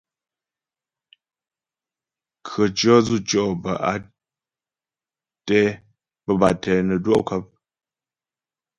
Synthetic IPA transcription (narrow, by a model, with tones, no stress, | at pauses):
kʰɰə˨t͡ʃɔ˦zu˦˨t͡ʃɔ˦˨bə˨ʔa˨ | tɛ˦ | bə˨ba˨tɛ˨nə˨dwɔ̰˦ʔkə˦p̚